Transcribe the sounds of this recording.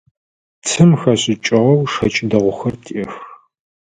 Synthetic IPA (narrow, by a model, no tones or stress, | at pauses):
t͡sʰɨmxɐɕʼɪt͡ʃʼɪʁɐwʂɐt͡ʃʼɪdɐʁʷʊxɐrtʰʼix